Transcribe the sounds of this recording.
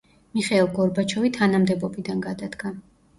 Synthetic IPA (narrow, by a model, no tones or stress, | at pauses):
miχɛːlˠɡɔɾbat͡ʃʰɔvit̪ʰanamd̪ɛbɔbid̪anɡad̪ad̪ɡa